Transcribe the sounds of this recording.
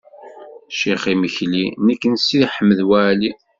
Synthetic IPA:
ʃiχiməçlinəkːənsiðħəmːəðwæli

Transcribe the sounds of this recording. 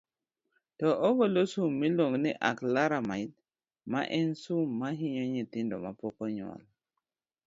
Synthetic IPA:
tɔʔɔɡolosumːiloŋniʔaklaɾamait̪̚ | ma̰ʔɛnsumːaɦɪɲɔɲit̪ɪndɔ̰mapɔkɔɲwa̰l

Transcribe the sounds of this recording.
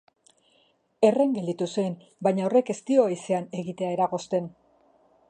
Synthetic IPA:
e̞re̞ŋɡe̞ld̪it̪usen | baɲao̞re̞ke̞st̪io̞ejse̞ane̞ɣit̪e̞ae̞ɾaɣo̞st̪e̞n

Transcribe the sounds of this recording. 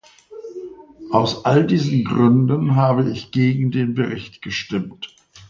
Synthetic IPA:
ʔaʊsʔaldiːzn̩ɡʁʏndənɦaːbəɪçɡ̥eːɡŋ̩deːnbəʁɪçtɡ̥əʃtɪmt

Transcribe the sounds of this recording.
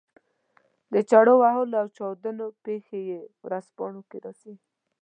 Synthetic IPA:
d̪ət͡ʃaɽowaɦolawt͡ʃɑwd̪ənopexejewɾaspɑɳokeɾɑsi

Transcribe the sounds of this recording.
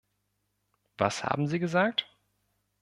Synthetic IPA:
v̥a̰sha̰ːbm̩ziːɡəzaːk̚t

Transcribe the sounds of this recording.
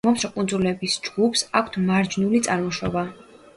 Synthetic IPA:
ɔmsɾɔkʼund̪zulɛbisd͡ʒɡ̥upʰsakʰt̪ʰmaɾd͡ʒnulit̪sʼaɾmɔʃɔba

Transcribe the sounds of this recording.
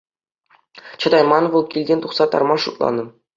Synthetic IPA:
t͡ɕɤ̆d̪ɑjmɑnʋɤlˠkʲilʲdʲenʲt̪uχsɑt̪ɑ̰rmɑʂut̪lˠɑ̰nɤ̆

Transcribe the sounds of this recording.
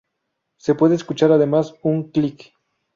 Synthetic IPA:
sepweðeːskut͡ʃaɾaðemasuŋklik

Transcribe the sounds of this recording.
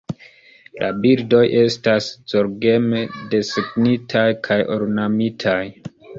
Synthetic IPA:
lʔa̰biɾdo̞jʔe̞stasz̥oɾɡe̞mede̞seknitʰajkʰajo̰ɾnamitʰaj

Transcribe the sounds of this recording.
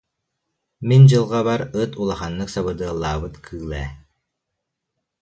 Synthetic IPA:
mind͡ʑɯlˠʁabaɾɯt̪ʰulˠaχanːɯksaβɯd̪ɯɐlˠːaːbɯt̪kʰɯːlˠɛː

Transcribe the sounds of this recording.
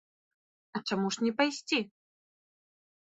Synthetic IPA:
ɐt͡ʂamuʂnʲɛpajsʲt͡sʲi

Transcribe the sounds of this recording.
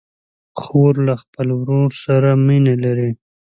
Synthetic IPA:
xoɾlaxpəlwɾoɾsaɾaminelaɾi

